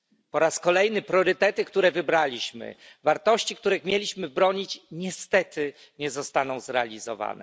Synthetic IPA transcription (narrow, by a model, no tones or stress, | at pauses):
pɔɾaskɔlɛjnɘpɾɔɾɘt̪ɛt̪ɘkt̪uɾɛvɘbɾalʲiɕmɘ̰ | vaɾt̪ɔɕt͡ɕikt̪uɾɛxmʲjɛlʲiɕmɘbɾɔɲit͡ɕɲɛst̪ɛt̪ɘ | ɲɛzɔst̪anɔ̃w̃zɾɛalʲizɔ̰va̰nɛ̰